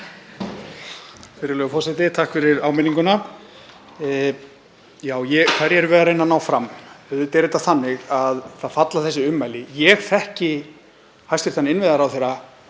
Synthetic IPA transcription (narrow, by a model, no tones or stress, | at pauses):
fɪɾɪɾlœːɣʏfɔsɛt̪ɪt̪ʰaːhkfɪɾɪɾaːwmɪniŋkʏna | jaːwjɛkʰvaɾjɛɾvɛːðaɾejnːanaːwfɾamɛðʏt̪ɛɾɪt̪aθanːɪɣaðθaðfat̪laθɛsːɪʏmːajlɪjɛɣθɛhcɪ | hajst̪ɪ̥ɾ̥θanːɪɪnvɪðaɾawθejɾa